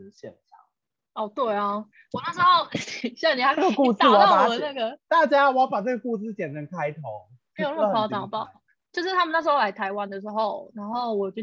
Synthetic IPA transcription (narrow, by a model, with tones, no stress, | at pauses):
ɕɛ̰˨˩nɕɑ̰˨˩ŋ | ɔ˥˧˩t̪we˥˩ɪɐ˨˦ | wɔ˨na˥˩ʂ̩˧˥xo˥˧ʊɕa˥˩ni˨˩a˥ɡə˩ku˥˧s̩˥˨wɔ˨˩ɑ˥a˨ə˨˩˦na˥˩ɡə˩t̪a˥˩t͡ɕja˦˥wɔ˨jɑ˥˩pa˨˩t͡sə˥ɡə˩ku˥˧sɹ̩˥˩t͡ɕjɛ˨˩nnə˨˥nkʰa˦ɪt̪ʰo˨˦ʊ | me˧˥jo˨n˥ə˥˩˧ʈ͡ʂɑ˨˩ŋpɑ˥˩ʊ | t͡ɕjo˥˧ʊʂɻ̩˥˩t̪ʰa˥mə˨na˥˩ʂɻ̩˧˥xo˥˧la˧˥ɪt̪ʰa˧˥ɪwa˦nd̪ə˨˩ʂɻ̩˧˦xo˥˨ʊna˧˥nxo˥˩ʊwɔ˨˩˨t͡ɕo˥˧˩